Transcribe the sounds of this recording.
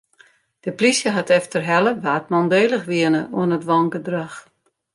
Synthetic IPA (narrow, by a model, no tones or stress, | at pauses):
d̥əplisjəɦatɛftərɦɛləʋaːtmɔndeːlˠəxʋiənəʔuənətʋɔŋɡədrax